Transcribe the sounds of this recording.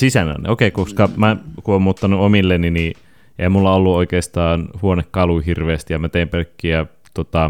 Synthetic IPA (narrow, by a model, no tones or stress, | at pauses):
sisænæ̰n̰okeikoskɑmækuoːmmuːt̪ːɑnuomilːenini | ʔḛhæmulːɑolːuoikeːst̪ɑːnhuonekkɑluhirʋeːst̪ijɑmæt̪eiːmpølkːiæ | t̪ot̪ɑ